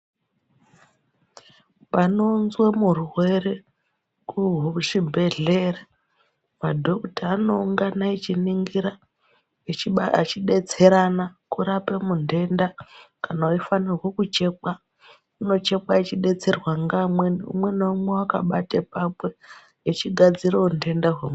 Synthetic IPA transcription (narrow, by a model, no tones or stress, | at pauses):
pano̞nzwemuruwe̞ɾe | kuɦuʂibʱe̞ɮe̞ra | madʱo̞kutaːno̞uŋɡanait͡ʃiniŋɡiɾa | et͡ʃiat͡ʃiɗet͡se̞ɾanakuɾapemunde̞ndakanauifanirwokut͡ʃe̞ːk͡pa | uno̞t͡ʃe̞k͡pait͡ʃiɗe̞t͡se̞rwaŋɡamwenṵmwenaumwewaka̰ɓatepapweː | t͡ʃiɡʱad͡zirounde̞ndaɦwem